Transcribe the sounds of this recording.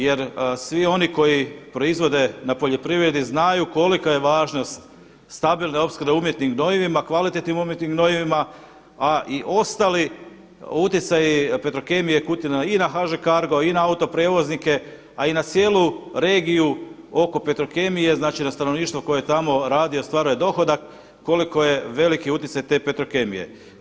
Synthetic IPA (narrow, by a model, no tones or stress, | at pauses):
je̞ɾsʋio̞niko̞jipɾo̞izʋo̞d̪e̞napo̞ʎo̞pɾiʋɾe̞d̪iznajuko̞likaje̞ʋaːʒno̞st̪ | st̪abilˠneo̞pskɾdeumjet̪niŋɡno̞ʋiʋimakʋalit̪et̪nimumje̞t̪niɡno̞iʋima | aʔiʔo̞st̪ali | ut̪jit̪sajipe̞t̪ɾoke̞mijekut̪inainaxaʒekaɾɡo̞inaaut̪o̞pɾeːʋo̞znike̞ | ainat̪sje̞ːluɾe̞ːɡiju | o̞ko̞pe̞t̪ɾo̞ke̞mije̞znaːt͡ʃinast̪ano̞ʋniːʃt̪ʋoko̞jejet̪amo̞ɾaːd̪io̞st̪ʋaːɾuje̞d̪o̞xo̞d̪akː | o̞liko̞je̞ʋe̞likiut̪it̪sajt̪e̞ːpe̞t̪ɾo̞ke̞mḭje̞̰